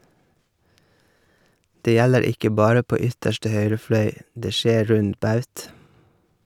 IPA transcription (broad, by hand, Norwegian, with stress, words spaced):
ˈdeː ˈjæləɾ ˈɪkə ˈbɑːɾə ˈpoː ˈʏtəʃʈə ˈhœʏɾə ˈflœʏ ˈdeː ˈʃeː ˈɾʉnd ˈbɑʉt